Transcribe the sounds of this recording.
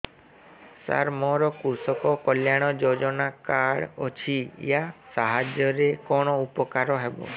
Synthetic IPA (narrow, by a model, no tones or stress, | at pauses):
sa̰ɾmɔɾɔkusɔkɔkɔljaɽ̃ɔd͡ʒod͡ʒɔnakaɽɔt͡ʃʰijasaɦad͡ʒɔɾekɔɽ̃ɔupɔkaɾɔɦebɔ̰